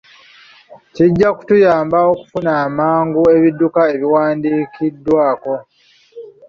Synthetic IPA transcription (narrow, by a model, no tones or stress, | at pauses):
ciɟːaku̥tujaːmbaoku̥funaːmaːŋɡue̞βidːukae̞βiwaːndiːkʰidːwaːko̞